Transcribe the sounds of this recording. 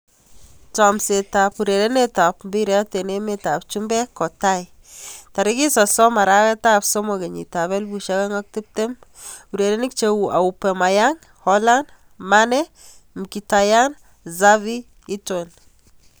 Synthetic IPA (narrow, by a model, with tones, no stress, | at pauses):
tɔ˨mse˨ta˨pu˨ɾe˨ɾe˦ne˦ta˨pmbi˦ɾjɔ˦te˨ne˦me˦ta˨pt͡ʃu˦mbɛ˦kɔ˨ta˦j | ta˨ɾi˦ki˦sɔ˨sɔ˦ma˨ɾa˦kɛ˦ta˦pso˦mo˨ke˨ɲḭ˨ta˨βɛ˦lbu˨ʃa˦kɛ˦ŋɔ˦k̚ti˦p̚te˦m | u˨ɾe˨ɾe˦ni˦k̚t͡ʃe˦wu˨ʔa̰˨upɛ˨ma˨ja˦ŋ | hɔ˦la˦nd | ma˦nɛ˦ | mki˨ta˨ja˦n | za˦βi˦ | i˦to˨n